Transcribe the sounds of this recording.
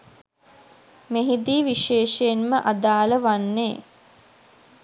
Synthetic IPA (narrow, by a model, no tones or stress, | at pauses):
meɦid̪iːʋiʃeːʃəjenməʔad̪aːləʋanːeː